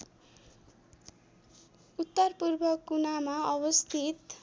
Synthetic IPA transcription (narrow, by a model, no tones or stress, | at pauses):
ut̪ːʌrpurbʱʌkunamaʌbʌst̪ʰit̪